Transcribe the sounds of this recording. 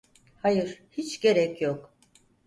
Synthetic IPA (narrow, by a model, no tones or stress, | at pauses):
hajɯɾ̥hit͡ʃɟe̞ɾɛcʰjok